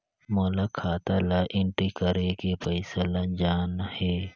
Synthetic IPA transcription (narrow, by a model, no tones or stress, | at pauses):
moːlakʰaːt̪alaʔɪ̃ɳʈikəɾekepəɪsəlɐd͡ʒaːnheː